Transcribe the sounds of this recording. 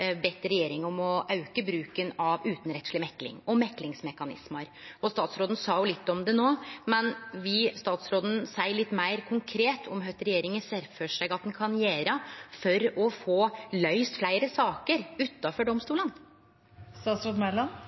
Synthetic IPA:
bɛt̪ːəɾɛjeːɾɪŋɔmɔʔɑʉkəbɾʉːkənɑʋʉːt̪n̩ɾɛt̪sɭɪmɛklɪ̰ŋɔmɛklɪŋsmɛkɑnɪ̰sməɾɔst̪ɑːt̪sɾoːd̪ən̩sɑːjʊlɪt̪ːɔmd̪ɛnoːmɛnʋɪst̪ɑːt̪sɾoːd̪ən̩sæɪəɭɪt̪ːmæɪɾkʰʊŋkʰɾeːt̪ʰɔ̰mɦœt̪ːəɾɛjeːɾɪŋəsɛɾføːʂæɪɡɑt̪̚d̪ɛnkʰɑnjeːɾəfɔɾɔfoːlœʏst̪flæɪɾəsɑːkəɾʉt̪ːɑfɔɖɔmst̪uːlən | st̪ɑːt̪sɾoːd̪mælɑn

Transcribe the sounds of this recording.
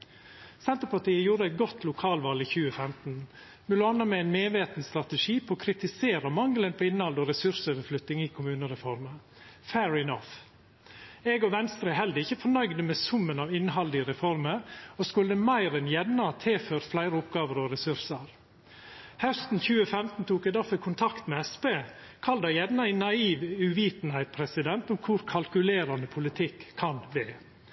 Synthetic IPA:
sɛnt̪əɾpʰɑʈiːəjuːɾəæɪt̪̚ɡɔt̪ʰlʊkʰɑːlʋɑːliçʉːəfɛmt̪n̩ | mʉlɑːnəmɛæɪnmeːʋeːt̪nst̪ɾɑt̪ɛʂiːpʰɔːkʰɾɪt̪ɪseːɾəmɑŋlənpʰɔɪnːhɑld̪ɔːɾɛsʉɾsøːʋəɾflʏt̪nɪŋiːkʰʊmʉːnəɾɛfɔɾmə | fæɹɪnɔf | ɛɡɔʋɛnst̪ɾəɦɛld̪əɪçəfɔɳœʏɡd̪əmɛːsʊmːənɑːʋɪnhɑld̪ɪɾɛfɔɾməɾɔskʉlːəmæɪɾɛnjɛnnːɑt̪ʰɪlføːɾt̪flæɪɾəʊpɡɑːʋəɾɔɾɛsʉɾsəɾ | hœst̪n̩çʉːəfɛmt̪n̩t̪ʰuːkɛd̪æɾfœkʰʊnt̪ʰɑkt̪mɛɛspeː | kʰɑld̪ɑjɛd̪nɑɪnɑiːʋʉʋiːt̪n̩hæɪt̪pʰɾɛsɪd̪ɛnt̪ʊmkʰʊɾkʰɑlkʉleːɾɑnd̪əpʰʊlɪt̪ʰɪkʰːɑnd̪ɛ

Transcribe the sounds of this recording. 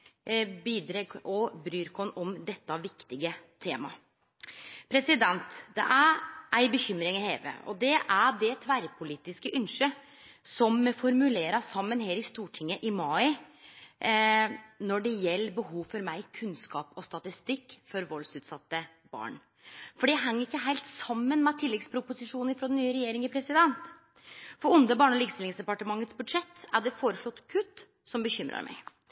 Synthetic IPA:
biːd̪ɾeːɡʔɔbɾyːɾkʰɔnɔmd̪ɛt̪ːɑʋɪkt̪ɪɡət̪ʰeːmɑ | pʰɾɛsɪd̪ɛnt̪d̪ɛ̰ʔæɾʔæɪbəçʏmɾɪŋɛheːʋə̰ɔ̰d̪ɛʔæɖɛt̪ʰʋæɾpʰʊliːt̪ɪskəʔʉnʂə | sɔmːɛfɔɾmʉleːɾɑsɑmːənheːɾɪst̪uːʈʰɪŋːəʔɪmɑːɪ | nɔɖɛjɛlːəbəhuːfɔɾmæɪkʰʉnskɑ̰ːpɔst̪ɑt̪ɪst̪ɪkːfɔɾʋɔlsʉːt̪sɑt̪ːə | bɑ̰ːɳ | fɔɖijæɪɦɛŋːəɾɪkːəɦæɪlt̪sɑmːənmɛt̪ʰɪlːɛɡspʰɾʊpʊsɪʂuːnəɾfɾɔd̪ɛnːyːəɾɛjeːɾɪŋɪpʰɾɛsɪd̪ɛnt̪ | fɔɾʊnd̪əbɑːɳɔliːɡst̪ɪlɪŋsd̪ɛpɑʈəmɑŋːət̪sbʉd̪ʂɛt̪ːæɖɛfoːɾəʂlɔt̪ːkʰʉt̪ː | sɔmbəçʏmɾɑ̰ɾmæ̰ɪ

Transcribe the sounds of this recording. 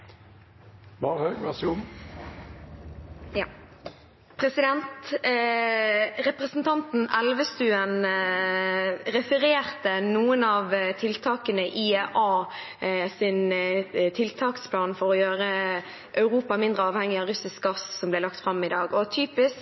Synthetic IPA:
bɑːʁhøːɡʋæsʊm | pʰɾɛsɪd̪ɛnt̪ | ʁɛpʁəsn̩t̪ʰɑnt̪n̩ɛlʋəst̪ʉːən | ɾɛfəɾeːʁt̪ənuːənɑːʋt̪ʰɪlt̪ʰɑːkənəʔɪeʔɑː | sɪnt̪ʰɪlt̪ʰɑːkspʰlɑːnfɔɾɔjøːʁə | ʔœʉʁuːpɑmɪnd̪ʁəɑːʋhɛŋːɪɑːɾʉsɪsk̚ɡɑssɔmblɛlɑkt̪fɾɑmːɪd̪ɑːɡɔt̪ʰyːpɪsk

